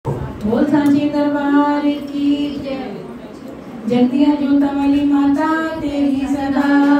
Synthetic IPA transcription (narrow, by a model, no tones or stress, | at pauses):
ɦoːlsãt͡ɕẽːd̪əɾbaːɾki | d͡ʑɐɡd̪iə̃d͡ʑõːt̪ɐmalimaːt̪at̪eɦisɐd̪a